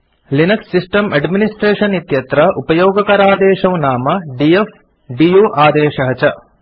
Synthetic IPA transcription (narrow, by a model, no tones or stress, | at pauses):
linɐksːisʈɐmɐɖminisʈɾeːʂɐnit̪jɐt̪ɾɐʔupɐjoːɡɐkɐɾaːd̪ɛːʃɐmnaːmɐɖief | ɖijuːʔaːd̪ɛːʃɐɦɐt͡ʃɐ